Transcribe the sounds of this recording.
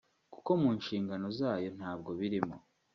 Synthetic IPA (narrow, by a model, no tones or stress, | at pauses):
ku̥ko̞muːnʃiːŋɡano̞zaːjo̞n̥aːb̚ɡo̞βiɾimo̰